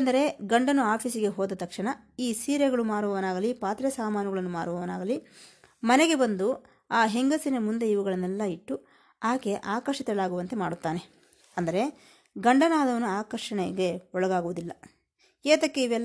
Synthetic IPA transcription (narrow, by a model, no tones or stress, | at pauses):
nd̪ɐɾe̞ɡɐɳɖɐnuaːpʰisiɡe̞ɦoːd̪ɐt̪ɐkʂiɳɐ | iːsiːɾeɡɐɭumaːɾuʋɐʋɐnaːɡɐlipaːt̪ɾɐsaːmaːnɐɡɐɭɐnːuma̰ːɾɽuʋɐʋɐna̰ːɡɐli | mɐneɡe̞bɐnd̪u | aːɦe̞ŋɡɐsinɐmund̪e̞iʋuɡɐɭɐnːɛlːɐiʈːu | aːke̞ʔaːkɐɾʂit̪ɛɭaːɡuʋɐnt̪emaːɽut̪ːaːne̞ | ɐnd̪ɐɾe̞ | ɡɐɳɖɐnaːd̪ɐʋɐnuaːkɐɾʂɐɳɛɡe̞ɔɭɐɡaːɡuʋud̪ilːɐ | eːt̪ɐkːeiʋɛlː